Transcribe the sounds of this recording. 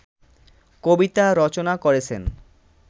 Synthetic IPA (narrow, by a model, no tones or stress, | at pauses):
kobit̪aɾɔt͡ɕonakoɾet͡ɕʰḛn